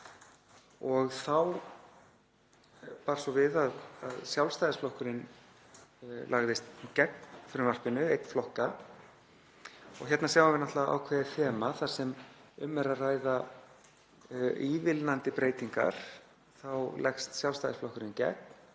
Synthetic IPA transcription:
ɔɣθaw | paːɾsvɔvɪðaðaðsjawlst̪ajðɪsflɔhkʏɾɪn | la̰ɣðɪst̪cɛk̚nfɪɾʏmvar̥pɪnʏejt̪n̥flɔhka | ɔ̰ɣçɛt̪nasjaːwavɪɾnaht̪laðʔa̰wkʰvɛːðɪθɛːmaθḁsɛmʏmːɛɾaðraːjða | ivɪlnant̪ɪpɾeːjt̪iŋka̰ɾ̥ | θawlɛxst̪sjawlst̪ajðɪsflɔhkʏɾɪncɛ̰kn

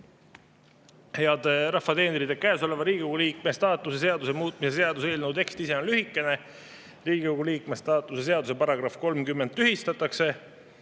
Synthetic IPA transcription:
he̞ɑd̪̥eɾɑhːɑt̪e̞ːneɾid̪e̞kæeso̞le̞vɑɾiːɡʲikoɡ̥uliːk̚mest̪ɑːt̪ˑːuse̞s̬e̞ɑd̪usemuːt̪̚ˑmise̞s̬e̞ɑd̪use̞ːlnuwt̪e̞kst̪ise̞o̞nlyɦikːˑe̞ne̞ | riːɡ̥ikoɡuliːkmest̪ɑːt̪ːˑuse̞s̬e̞ɑd̪use̞pɑɾɑɡ̥rɑfko̞lmkymːe̞nd̪ˑːyhist̪ɑt̪ːˑɑkse̞

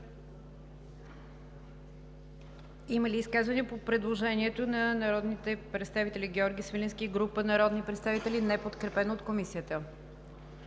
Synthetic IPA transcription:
iməliːskazvəniəpopɾɛd̪lˠoʒɛnʲiɛt̪onɐnɐɾɔd̪nit̪ɛpɾɛt̪st̪avit̪ɛlʲiɡʲɛɔɾɡʲisvilʲinskiɡɾupənɐɾɔd̪nipɾɛt̪st̪avit̪ɛlinɛpot̪kɾɛpɛnoːt̪komisiət̪ə

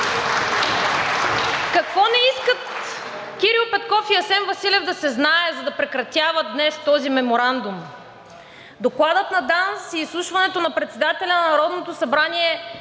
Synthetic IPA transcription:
kɐkvɔnɛiskət̪ | kʲiɾiʊpɛt̪kɔfiɐsɛnvɐsilʲɛvd̪ɐsɛznaɛzɐd̪ɐpɾɛkɾɐt̪ʲjavəd̪nɛst̪ɔzimɛmoɾand̪um | d̪oklˠad̪ət̪nɐd̪ansiːslˠuʃvɐnɛt̪onɐpɾɛt̪sɛd̪at̪ɛlʲɐnɐnɐɾɔd̪not̪osɐbɾaniɛ

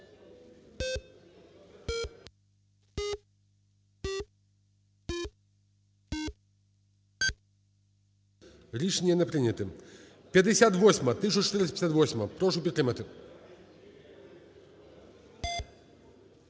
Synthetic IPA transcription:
lʲiʂnʲijɛnɛpɾɨnʲɐt̪ɨ | pʲjɐd̪ɛsʲat̪ʋɔsʲmɐt̪ɨʃ̬ɔt͡ʃt̪ɨɾspʲɛsʲat̪vɔsʲmɐpɾɔʂupʲit̪ːɾɨmɐt̪ɨ

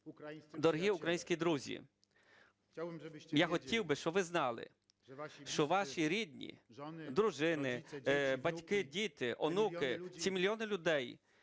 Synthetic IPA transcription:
d̪ɔɾɦiʊkɾɐjinʲsʲkʲid̪ɾuzʲḭ | jaxɔtʲiwbɪʃt͡ʃɔʋɪznɑlˠɪ̰ | ʃt͡ʃɔʋɑʃʲiɾʲid̪ʲnʲḭd̪ɾʊʒɪnɪbɐtʲkɪdʲit̪ɪʔɔnukɪt͡sʲimʲilʲjɔnɪlʲʊd̪ɛj

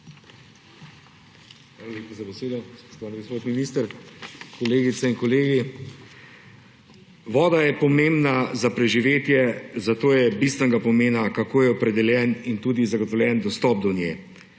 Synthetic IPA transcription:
xʋalaleːpazabɛseːd̪ɔspo̥ʃt̪ɔʋaːniɡospot̪minist̪əɾkɔleːɡit̪sɛinkɔleːɡi | ʋɔːd̪ajɛpɔmembnazapɾɛʒiʋeːt̪jɛzat̪oːjɛbist̪ʋɛnɡapɔmeːnakakoːjɛɔpɾɛd̪ɛljɛnint̪uːd̪izaɡɔt̪ɔwljɛnd̪ɔst̪ɔp̚d̪ɔnjḛ

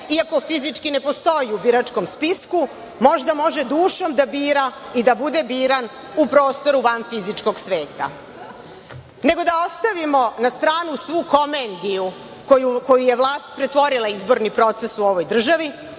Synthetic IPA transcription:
iako̞fizit͡ʂkine̞po̞st̪o̞jiubiɾat͡ʂko̞mspisku | mo̞ʒd̪amo̞ʒe̞d̪uːʃo̞md̪abiːɾaid̪abud̪ebiːɾan | upɾo̞ːst̪o̞ɾuʋanfizit͡ʂko̞ɡsʋeːt̪a̰ | ne̞ɡo̞d̪aost̪aʋimo̞nast̪ɾaːnusʋuko̞mend̪iju | kojukojuje̞ʋlˠaːst̪pɾet̪ʋo̞ɾilˠaizboɾnipɾo̞t̪sesuo̞ʋo̞jd̪r̩ʒaʋi

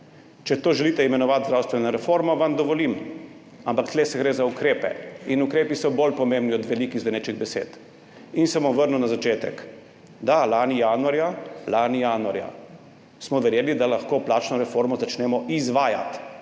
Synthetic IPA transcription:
t͡ʃɛt̪oːʒɛliːt̪ɛimɛnɔʋaːt̪zdɾawst̪ʋɛnɔɾɛfoːɾmɔʋamd̪ɔʋɔlim | ampakt̪lesɛɡɾeːzaukɾeːpɛ̰inukɾeːpisɔbolpɔmembniɔd̪ʋɛlikizʋɛnet͡ʃiɣbɛsḛːt̪ | insɛbɔmʋəɾnunazat͡ʃeːt̪ɛ̰k | d̪alaːnijaːnuaɾjalaːnijaːnuaɾja̰ | smɔʋɛɾjeːlid̪alaxkoːplaːt͡ʃnɔɾɛfoɾmɔzat͡ʃnɛːmɔʔizʋaːja̰t̪

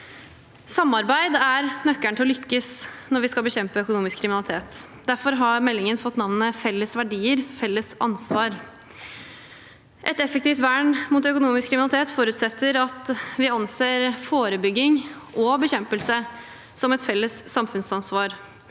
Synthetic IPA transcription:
sɑmːɑɾbæɪd̪æɾnœkːæɳt̪ɪlɔlʏkːəsnɔɾʋɪskɑlbəçɛmpəœkʊnuːmɪskʰɾɪmɪnɑlɪt̪ʰeːt̪d̪æɾfɔɾɦɑɾmɛlːɪŋənfɔt̪ːnɑʋnəfɛlːəsʋæɖiːəɾfɛlːəsɑ̰nsʋɑːɾ | ʔɛt̪ɛfəkt̪ɪft̪ʋæːɳmʊt̪œkʊnuːmɪskʰːɾɪmnɑlɪt̪eːt̪fɔːɾʉːt̪sɛt̪ːəɾɑt̪ʋɪɑnseːɾfoːɾəbʏɡːɪŋʔɔbəçɛmpəlsə | sɔmɛt̪fɛlːəssɑmfʉnsɑnsʋɑːɾ

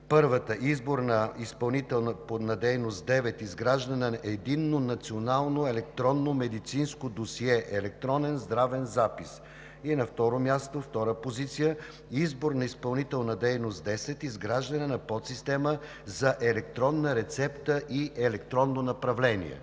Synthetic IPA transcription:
pɤɾvət̪əʔizboɾnɐispɐlˠnit̪ɛlˠnəponɐd̪ɛjnost̪d̪ɛvɛt̪izɡɾaʒd̪ənɛɛd̪inːonɐt̪sionalˠnoɛlɛk̚t̪ɾɔnːomɛd̪it̪sinskod̪osiɛʔɛlɛk̚t̪ɾɔnɛnzd̪ɾavɛnzapis | iɛnɐft̪ɔɾomʲjast̪oft̪ɔɾəpozit̪sijə | izboɾnɐispɐlˠnit̪ɛlˠnəd̪ɛjnost̪d̪ɛsɛt̪izɡɾaʒd̪ɐnɛnɐpɔt̪sist̪ɛmə | zɐʔɛlɛkt̪ɾɔnːəɾɛt̪sɛpt̪əʔiʔɛlɛkt̪ɾɔnːonɐpɾɐvlɛnḭɛ̰

